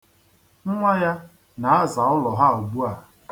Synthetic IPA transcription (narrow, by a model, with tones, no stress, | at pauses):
ŋ̩˦ŋʷa˦ja˦ | na˨a˦za˨ʊ˦lɔ˨ɦa˦˨u˨ɡ͡bu˦a˨